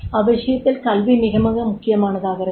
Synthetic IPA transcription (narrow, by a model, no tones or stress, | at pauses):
ɐʋɐɕɐjɐt̪ːilkɐlʋiniɣɐmɐɣɐmukʰːɪjɐmaːɳɐðaːɣɐɾɐ